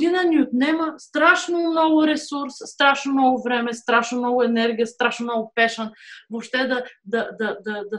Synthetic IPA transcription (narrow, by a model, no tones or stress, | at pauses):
inəniʊt̪nɛməst̪ɾaʃnomnɔɡʊɾɛsuɾsːt̪ɾaʃnomnɔɡʊvɾɛmɛst̪ɾaʃnʊmnɔɡʊɛnɛɾɡʲijɐst̪ɾaʃnomnɔɡʊpɛʃənvopʃt̪ɛd̪ɐd̪ɐd̪ɐd̪ɐd̪ɐ